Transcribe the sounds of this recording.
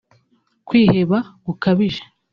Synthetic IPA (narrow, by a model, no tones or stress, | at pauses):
kwiːheβaɡukaβiʒḁ